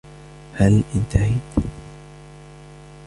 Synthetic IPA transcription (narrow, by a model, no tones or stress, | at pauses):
halʔɪnt̪ahɪt̪